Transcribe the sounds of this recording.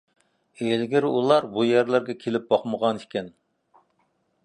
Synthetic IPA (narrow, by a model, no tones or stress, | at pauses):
elɡʲɪɾulˠɑɾbujɛɾlæɾɡʲɛkʲʰelɪp̚bɑχməʁɑnikʲɛn